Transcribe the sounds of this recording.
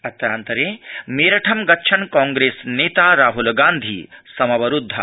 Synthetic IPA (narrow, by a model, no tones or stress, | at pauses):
ɐt̪ɾaːnt̪ɐɾeːmeːɾɐʈʰɐmɡɐtːʃʰɐnkɔ̃ːŋɡɾeːsneːt̪aːɾaːɦulɡaːnd̪ʱḭːsɐmɐʋɐɾud̪ʱːɐ̰